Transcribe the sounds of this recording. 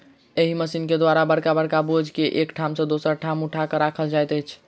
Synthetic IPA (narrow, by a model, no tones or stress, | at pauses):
eɦiməsinked̪waɾabəɽkabəɽkabod͡ʒʱkeʔekʈʰamsə̃d̪osəɾʈʰamuʈʰakəɾakʰəld͡ʒajt̪əjt͡ʃʰ